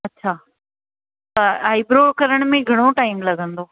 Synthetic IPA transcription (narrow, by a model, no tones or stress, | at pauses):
ɐtːɕʰaː | t̪ɐaːɪbɾoːɽkɐɾəɽ̃mẽɡʱɐɽ̃oʈaːɪmlɐɡʱə̃nd̪oː